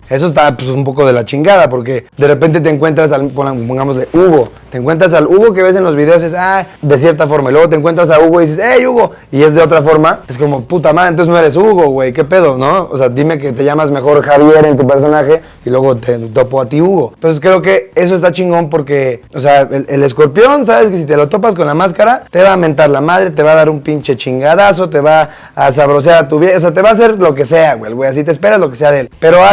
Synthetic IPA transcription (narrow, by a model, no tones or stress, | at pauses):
e̞s̬ost̪apsumpo̞ko̞ðe̞lat͡ʃiŋɡaðapo̞ɾk̬e̞d̪erepnt̪̬e̞t̪̬eŋkwe̞nt̪̬ɾas̬apopoŋɡamozle̞ʔuɣo̞t̪eːŋkwe̞nt̪ɾas̬aluɣo̞k̬e̞βe̞s̬e̞nlo̞zβið̞e̞os̬esaðe̞s̬je̞ɾt̪afo̞ɾmailweɣot̪eŋkwe̞nt̪ɾas̬auɣoiðis̬esejuɣo̞ | ie̞zðeo̞t̪̬ɾafo̞ɾmaesko̞mo̞put̪amaðnt̪osenoeɾe̞s̬uɣo̞ɣwejk̬e̞pe̞ð̞o̞no̞o̰se̞ad̪ime̞k̬e̞t̪eʝamazme̞xo̞ɾxaβje̞ɾe̞nt̪upe̞ɾs̬o̞naxe̞ | ilwe̞ɣo̞t̪et̪o̞poat̪iuɣo̞nt̪ons̬sk̬ɾe̞ok̬e̞e̞s̬oes̬t̪at͡ʃiŋɡo̞mpo̞ɾke̞oseaelele̞sko̞ɾpjo̞ns̬aβe̞skes̬it̪̬e̞lo̞t̪o̞p̬as̬ko̞nlamaskaɾat̪e̞βaːmẽnt̪aɾlamað̞ɾe̞t̪e̞βaːðaɾumpint͡ʃe̞t͡ʃiŋɡaðas̬o̞t̪̬e̞βaː | s̬aβɾo̞s̬jaɾat̪uβjeos̬at̪̬e̞βaːs̬e̞ɾlo̞k̬e̞se̞aɣwelɣwejasit̪espe̞ɾazlo̞ke̞se̞aðeelpe̞ɾoa